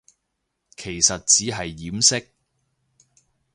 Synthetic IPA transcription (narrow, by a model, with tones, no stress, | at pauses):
kʰe˨˩jsɐ˨t̚t͡siː˨˥ɦɐ˨jːiː˨˥msɪ˥k̚